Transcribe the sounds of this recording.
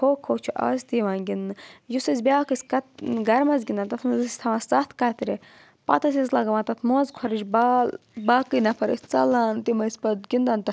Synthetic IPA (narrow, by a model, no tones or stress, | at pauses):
kʰoːkʰoːt͡ʃʰuʔɐ̰zʲt̪iʋaːnɡʲinːɨjusɐzʲbʲaːkɨsʲkɐt̪̚ɡɐɾmɐzɡʲind̪aːnt̪ɐt̪ʰmɨzɨsʲt̪ʰɐʋast͡sɐt̪ʰkɐt̪ɾi | pɐ̰t̪ɐsʲɐzlɐɡɐʋãnt̪ɐt̪ʰmoːzkʰɐɾɨd͡ʒbbaːkːɨnɐpʰɐɾəsʲt͡sɐlaːnt̪imɐsʲpɐd̪ɡʲind̪ɐnt̪ɐ